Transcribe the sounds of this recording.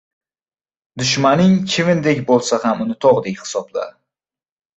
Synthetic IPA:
d̪ʊʃmanɪŋkʲʰɪvɪnd̪ekʲbolˠsahamʊnɪt̪ʰɒʁd̪ekʲhɪ̥sɒbla̰ɾ

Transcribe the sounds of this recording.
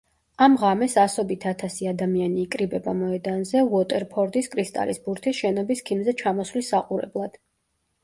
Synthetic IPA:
amʁamɛsasɔbit̪ʰat̪ʰasiad̪amianiːkʼɾibɛbamɔɛd̪anzɛuɔt̪ʼɛɾpʰɔɾd̪iskʼɾist̪ʼa̰lisbuɾt̪ʰisʃɛnɔbiskʰimzɛt͡ʃʰamɔswlisːaqʼuɾɛ̰blˠad̪̥

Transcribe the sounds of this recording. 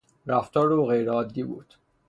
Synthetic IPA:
ɾæft̪ʰɒːɾoɣejɾeɒːd̪ːibṵːd̪̥

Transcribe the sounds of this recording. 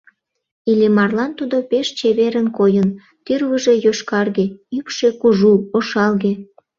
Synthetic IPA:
ilʲemɑrlɑnt̪ud̪opeʃt͡ɕeβeɾənkojən | t̪yrβəʒe̽joʃkɑrɣeypʃekuʒuoʃɑlɣe

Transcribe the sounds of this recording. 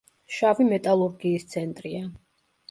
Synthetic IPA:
ʃavimɛt̪ʼalˠuɾɡiːst̪sʰɛnt̪ʼɾia

